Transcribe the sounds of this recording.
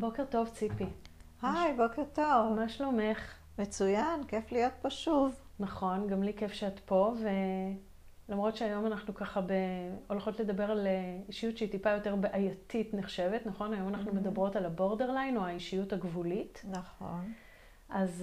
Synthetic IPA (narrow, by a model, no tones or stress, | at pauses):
bo̞keʁto̞vt͡sipihajbokeʁtovamaʃlo̞me̞χ | met͡sujankeflijo̞t̚paʃuvnaχo̞nɡamlikefʃeatpo̞ve̞ | lamʁo̞tʃeajo̞manaχnukaχabe̞o̞lχo̞tle̞d̪abe̞ʁaliʃijutʃeitipajo̞te̞ʁbeʔajatitneχʃe̞ve̞tnaχo̞najo̞manaχnume̞dabʁo̞talabo̞ʁde̞ʁlajnoaiʃijuthaɡvulitnaχon | ʔaz